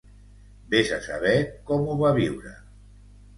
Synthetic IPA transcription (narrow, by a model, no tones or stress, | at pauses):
bezasa̰β̞ɛkɔmuβaβ̞iwɾə̰